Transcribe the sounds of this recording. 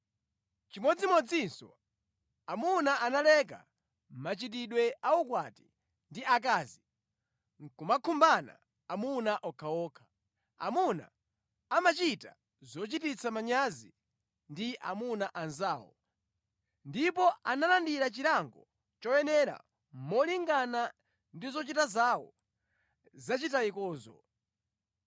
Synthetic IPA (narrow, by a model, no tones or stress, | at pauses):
t͡ʃimɔd͡zimɔd͡zinsɔ̰ | amunaʔanalɛk̬a̰ | m̩mat͡ʃit̬iɗwɛaukwati̥ | ndiak̬aːzi | kumakʰumbana̰ː | munaʔɔkʰaɔːkʰḁ | a̰muna̰ː | mat͡ʃita̰ | zɔt͡ʃitit͡sʰamaɲazi | ndiʔa̰munaʔanzaːwɔ̰ | ndipɔanalandiɾat͡ʃiɾaŋɡɔ | t͡ʃɔjɛnɛɾa̰ | mɔliŋɡana | ndizɔt͡ʃitazawɔ̰ | zat͡ʃitaikɔːzɔ̰